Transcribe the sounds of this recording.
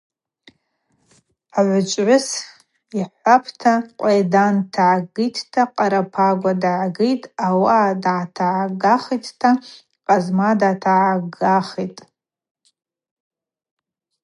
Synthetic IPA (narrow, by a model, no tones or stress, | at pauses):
aʕʷʊt͡ʃʷʼʕʷʊs | iħʷapʰtʰaqʷʼajdantʰaʕaɡɨjtʰtʰaqʼaɾapʰaɡʷadaʕaɡɨjtʼawadaʕatʰaʕaɡaχitʰtʰa | qʼazmadatʰaʕaɡaχitʼ